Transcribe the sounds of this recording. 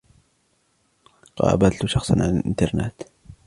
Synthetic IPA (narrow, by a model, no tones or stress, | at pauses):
qɑ̰ːbalt̪ʊʃɑxsˤɑnʕalalʔɪ̰nt̪ɑɾˤna̰t̪